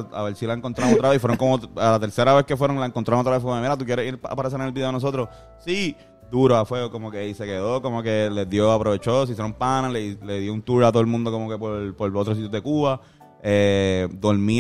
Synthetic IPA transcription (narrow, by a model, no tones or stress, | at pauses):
a̰βeɾsilaeŋkont̪ɾaɾŋot̪ɾaβeifweɾoŋko̞mot̪alat̪e̞ɾse̞ɾaβeskefwe̞ɾoŋlaeŋkont̪ɾaɾoŋot̪aβefoemeɾat̪ukjeɾehiɾpa̰paɾeseɾnelbiðeenos̬o̞t̪ɾos | si | d̪uɾoafweɣoko̞mokeise̞ke̞ðo̞komoke̞ledjo̞apɾoβe̞t͡ʃoos̬is̬jeɾompanaleleðjo̞unt̪uɾat̪oðelmũnd̪o̞ko̞moke̞poɾpoɾot̪ɾsit̪joðekuβa | ed̪o̞ɾmi